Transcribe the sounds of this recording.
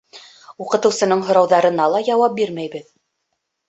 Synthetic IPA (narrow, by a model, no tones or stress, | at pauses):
uqɤ̆t̪ɤ̆wsɤ̆nɤɴɦŏɾɑwðɑɾɤ̆nɑlˠɑjɑwɑp̚biɾmæjbɘð